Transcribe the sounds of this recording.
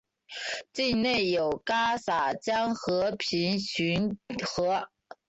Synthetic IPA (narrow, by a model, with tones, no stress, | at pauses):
t͡ɕi˥˧nne˥˩ɪjo˨˩ʊka˥sa˨˩t͡ɕjɑ˥ŋxɤ˧˥pʰi˧˥nɕy˧˥nxɤ˧˥